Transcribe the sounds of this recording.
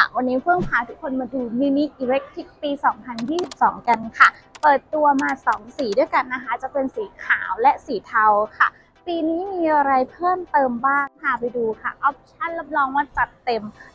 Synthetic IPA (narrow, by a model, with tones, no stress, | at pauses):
kʰa̰˥˩wa˧nːiː˦˥pʰɯ˥˩əŋpʰaː˦˥t̪ʰu˦˥kʰːo˧nmaː˧duː˧miː˧ni˦˥ʔiː˧ɾe˦˥k̚t̪ʰi˦˥k̚piː˧sɔː˩˦ŋpʰa˧njiː˥˩si˨˩p̚sɔː˩˦ŋka˧nkʰa˥˩pɤː˨˩t̪ːu˧ɐmaː˧sɔː˩˦ŋsiː˨˩˦du˥˩əjka˧nːa˦˥kʰa˦˥˩t͡ɕa˨˩pe˧nsiː˩˦kʰaː˩˦wlɛ˦˥ʔsiː˩˦t̪ʰa˧wkʰa̰˥˩ | piː˧niː˦˥miː˧ʔa˧ɾa˧jpʰɤː˥˩mt̪ɤː˧mbaː˥˩ŋkʰa˥˩pa˧jduː˧kʰa̰˥˩ʔɔ˦˥p̚t͡ɕʰa˥˩˨nla˦˥p̚lɔː˦˥ŋwaː˧˥˩t͡ɕa˨˩t̪ːe˧m